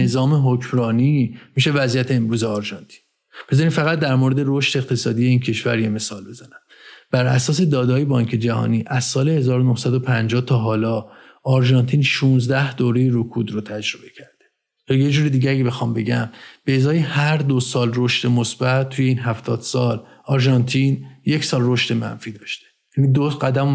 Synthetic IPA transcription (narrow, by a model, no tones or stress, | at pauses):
ezɒːmeɦocʰmɾɒːniːmiʃe̞væzijæt̪ʰeːmɾuːzeɒɾʒɒnt̪ʰi̥ːn | be̞zɒːɾid̪fæɣæt̪̚d̪æɾmoɾe̞d̪e̞ɾoʃt̪eeqt̪ʰe̞sɒːd̪ijeiːncʰe̞ʃvæɾje̞me̞sɒːlbe̞zænæm | b̥æɾʔæ̰sɒːs̬e̞d̪ɒːd̪ɒːjebɒːɲkʰe̞d͡ʒæhɒ̰ːniːʔæzsɒːlehe̞zɒːɾonohsæd̪opʰænd͡ʒɒːht̪ʰɒːɦɒːlɒ | ɒɾʒɒːnt̪ʰiːnʃuːnzd̪æhd̪̥oːɾejeɾokʰuːd̪ɾot̪ʰæd͡ʒɾo̞be̞cʰæɾd̪̥e̥ | jɒːjed͡ʒuːɾed̪iːɟææjee̞xɒːmbe̞ɟæmb̥eːzɒːjehæɾd̪osɒːlroʃt̪e̞mosb̥ætt̪ʰːujeiːnɦæft̪ʰɒːd̪̥sɒːlɒɾʒɒnt̪ʰinje̞cʰsɒːlro̞ʃt̪e̞mæ̰nfiːd̪ɒːʃt̪ejæːnid̪oɢæd̪æm